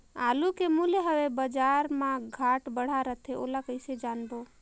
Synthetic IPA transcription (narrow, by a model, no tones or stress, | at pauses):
a̰lukemuleɦəʋebəd͡ʒaɾmãɡʱaʈbəɽ̤aɾət̪ʰeo̰lakəɪsed͡ʒanbo